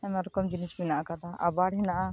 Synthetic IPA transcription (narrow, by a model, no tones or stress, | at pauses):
ɛmaɾɔkɔmd͡ʒinisminaʔakad̪aʔa̰baɽɦɛnaʔa